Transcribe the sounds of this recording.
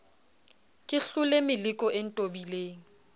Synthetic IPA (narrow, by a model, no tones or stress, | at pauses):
kʼɪɬʊlemɪlɪkʼɔʔen̩tʼobileːŋ̩